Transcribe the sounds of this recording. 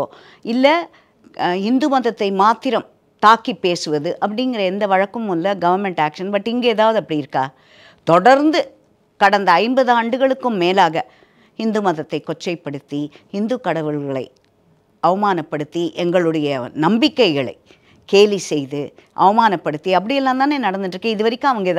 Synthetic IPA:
ɪlːɐ | hɪnd̪ɯmɐðɐt̪ːɐɪmaːt̪ːɪɾɐm | t̪aːkipːeːsɯʋɐðɯʔɐpːɐɽɪŋɡɪrɐɛnd̪ɐʋɐɻɐkːɯmʊlːɐɡɐʋɐɾmɛɳʈaːkʂɐnpɐʈːɪŋɡeɛðaːʋɐðɯɐpːɐɽiɪɾɯkːaː | t̪ɔɽɐɾnd̪ɯ | kɐɽɐnd̪ɐːɪmbɐðɯaːɳɖɯɣɐɭɯkːɯmːeːlaːɣɐ | hɪnd̪ɯmɐðɐt̪ːɐɪkːɔt͡ʃːɐɪpːɐɽɯt̪ːi | hɪnd̪ɯkɐɽɐʋɯɭɣɐɭɐ̰ɪ | ɐʋɐmaːnɐpːɐɽɯt̪ːiʔɛŋɡɐɭɯɽɐjɐnɐmbɪkːɐɪɣɐɭɐ̰ɪ | keːlisɛjðɯʔɐʋɐmaːnɐpːɐɽɯt̪ːiɐp̬ːɐɽɪjɛlːaːnt̪aːneːnɐɽɐnd̪ɯʈːɾɯkːẽɪðɯʋɐɾɪkʲːõːɐʋɐŋɡɐɛð

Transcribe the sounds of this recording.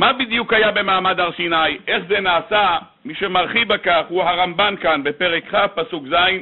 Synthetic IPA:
mabid̪jukhajabe̞maːmad̪aʁʃinajʔe̞χzenaːsa | miʃemaʁχibakaχhuhaʁambankanbe̞pe̞ʁekχafpasukzain

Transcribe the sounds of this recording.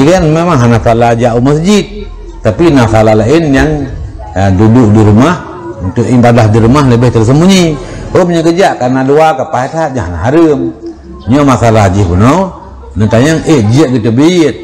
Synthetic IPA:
ikanmemaŋɦanasalad͡ʒaʔuməsd͡ʒit̪̚ː | apinasalahlaɪnjaŋ | dudʊʔdiɾumah | unt̪ʊʔimbadahdiɾumahləbɛht̪ərs̬əmuɲi | omɲəkəd͡ʒaʔkarnaduakapahat̪ɦat̪̚ɲahana̰ɦaɾəm | ɲomasalaɦd͡ʒihpunow | nət̪aɲaŋeʔd͡ʒiəʔɡət̪əbit̪̚

